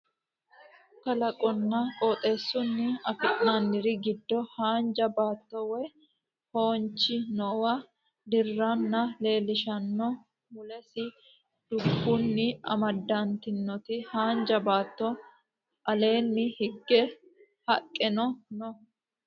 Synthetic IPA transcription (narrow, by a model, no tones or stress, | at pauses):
kɐlɐkʼɔnːɐkʼoːt̪ʼe̞ːsːʊnːɪɐfɪʔnanːɪɾɪɡɪd̪ːɔhaːnd͡ʒɐbaːt̪ːɔwɛ | ho̞ːnt͡ʃːɪnɔwɐ | d̪ɪrːanːɐle̞ːlɪʃɐnːɔ | mʊlɛsɪ | d̪̥ʊbːunːɪɐ̰mɐd̪ːant̪ɪnːɔt̪ɪhaːnd͡ʒɐbaːt̪ːɔ | ʔɐle̞ːnːɪhɪɡːɛ | hɐkʼːɛnɔnɔ